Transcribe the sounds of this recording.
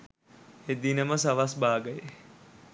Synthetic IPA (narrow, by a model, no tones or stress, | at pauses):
ed̪inəməs̬aʋasbaːɡəje